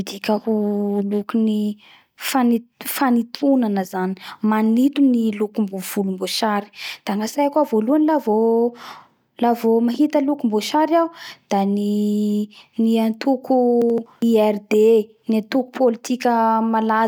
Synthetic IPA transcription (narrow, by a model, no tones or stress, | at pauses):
id̪ikʲakulukuni | fanifanit̪ʰunanəzani̥manit̪unilukumbuv̥ulumboʃaɾi̥d̪̥aŋasajakuavoluanilavo | lavomaɦit̪əlukumboʃaɾawd̪̥ani | niant̪ukuiɛrd̪e | niat̪uku̥pʰolit̪ikʲəmala